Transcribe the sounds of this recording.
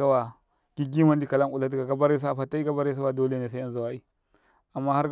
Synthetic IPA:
a˦wa˨ | ɡ̥i˦ɡi˦ma˦n˦di˦ka˨la˦u˨la˦di˦ɡa˨ɡa˦ba˦ɾe˦s̬a˦a˨fa˨ta˦i˦ɡa˦ba˦ɾe˦sa˦wa˨do˦le˦ne˨s̬a˦a˦nza˨wa˦i˦ | a˨mːa˦ha˦ɾ

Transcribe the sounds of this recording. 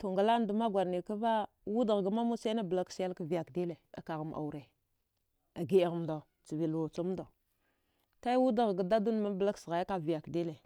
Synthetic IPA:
tu˨ŋɡa˨la˦n˦du˨ma˦ɡʷa˨ɾni˨ka˦va˦ | wu˦da˨ɣɡa˨ma˦mu˦sa˦na˦bla˦ksja˦lka˨vi˨ja˨kdi˦le˨a̰˨ka˨ɣa˨mʔa̰˨u˨ɾe˨ | a˨ɡi˦˨ɣm˨da˨ | t͡si˨vi˨lu˨t͡so˦m˦da˨ | ta˦i˦wu˦da˨ɣɡa˨da˦du˦n˦ma˦bə˨la˦ksɣa˨ja˦a˦vi˨ja˨kdi˦le˨

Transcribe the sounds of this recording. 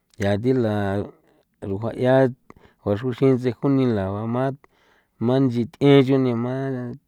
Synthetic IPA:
ja˨t̪̬i˦la˨ | ɾu˧˨ɦa˧ʔja˦ | hʷa˧ʂu˧ʃĩ˦nt͡se˧hu˦nĩ˧la˨βa˧mã˦ | mã˦nd͡ʒi˧t̪ẽ˦t͡ʃu˦nĩ˧mã˦

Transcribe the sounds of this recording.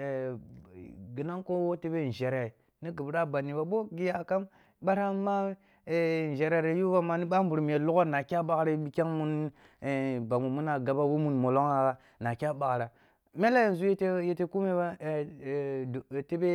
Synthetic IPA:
ɡi˨na˦ŋko˦wo˦te˦be˦˨n̩˨ʒe˨ɾe˨ | ni˦ɡi˨bɾa˦ba˨ni˨ba˨bo˦ɡi˦ja˨ka˦m | ɓa˦ɾa˦ma˦˨ | n˨d͡ʒe˨ɾe˨ɾe˨˦ju˦ba˦ma˨ni˦ɓa˦mbu˨ɾm˨je˨lu˦ɡo˦na˨kʲa˦ɓa˨kɾa˦bi˦kʲa˦ŋmu˦n˨ | ba˨mu˨mu˦na˨ɡa˨ba˦wo˦mu˨nmo˨lo˦ŋa˨ɣa˨ | na˨kʲa˦ɓa˨ɣɾa˨ | me˦la˦ji˨n˨zu˦je˦te˦je˦te˦ku˦me˦ba˦˨ | te˦be˦

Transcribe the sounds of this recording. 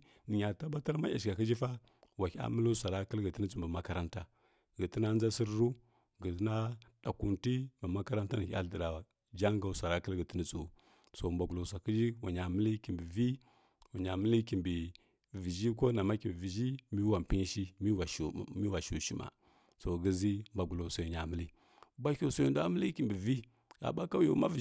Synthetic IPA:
ni˨ɲa˨ta˦ba˦ta˦ɾma˦a̰˨ʃka˨kə˦d͡ʒi˦fa˦ | wa˨ka̰˦mə˦lu˦sa˨ɾa˦kə˦lɡə˨ti˦ni˦t͡su˨mbə˨ma˦ka˦ɾa˦nta˦ | ɡə˨ti˦na˦n˦za˦si˦ɾɾu˦ | ɡə˨ti˦na˦ɗa˨ku˨nti˦mə˨ma˦ka˦ɾa˦nta˦ni˨ka̰˦də˨ɾa˨wa˨ | d͡ʒa˦ŋɡa˨sʷa˨ɾa˦kə˦lɡə˨ti˦ni˦t͡su˨ | so˨mba˨ɡu˨lo˨s̬a˨ki˦d͡ʒi˦wa˨ɲa˨mə˦li˦ki˨mbi˨vi˦ | wa˨ɲa˨mə˦li˦ki˨mbi˨ | vi˨ʒi˦ko˦na˨ma˦ki˨bvi˨d͡ʒi˦mi˦wa˨m˨pi˦n˦ʃi˦mi˦wa˨mi˦wa˨ʃu˨ʃi˦ma̰˨ | so˨ɡə˦zi˦mba˨ɡu˨lo˨so˨i˨ɲa˨mə˦li˦ | ba˦kʲo˨so˨ju˨da˦mə˦li˦ki˨mbi˨vi˦ | ɡa̰˨ba˦ka˦jo̰˨˦ma˦vi˨

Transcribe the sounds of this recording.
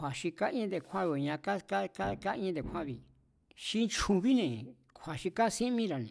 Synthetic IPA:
a˨ʃi˧ka˦ĩ˦d̪e˧kʷã˦βo˧˨˧ɲã˧ka˦ka˦ka˦ka˦ĩ˧˦d̪e˨kʰʷã˦βi˧ | ʃi˧nt͡ʃu˧βi˦nẽ˨ | kʷʰa˨ʃi˧ka˦sĩ˦mĩ˦ɾa˨nḛ̃˨

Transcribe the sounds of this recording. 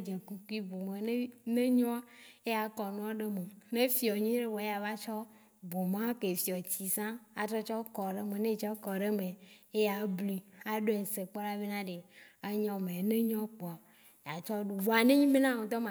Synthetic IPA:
d͡ʒe˨ku˨ku˦i˦bo˨me˨ne˦nẽ˦ɲɔ̃˦a˦e˦ja˨kɔ˨nũ˦a˦ɖe˦me˨nẽ˦fi˨ɔ˨ɲĩ˦ɖe˦wo˨˦a˨va˦t͡ʃɔ˦ | bo˨mã˦ke˨fi˨ɔ˨t͡ɕi˨sã˦a˨t̪ɾɔ˦t͡ʃɔ˦kɔ˨ɖe˦me˨nẽ˦t͡ʃɛ˦kɔ˨ɖe˦me˨e˦ja˨bli˨a˨ɖo˦e˨se˨k͡pɔ˦la˦ve˦nã˦ɖe˨a˦ɲɔ̃˦mẽ˨˦nẽ˦ɲɔ̃˦k͡pɔ˨a˨ | ja˨t͡ʃɔ˦ɖo˨vɔ˨a˨nẽ˦ɲĩ˦me˦nã˦ŋõ˨t̪ɔ˦mã˨

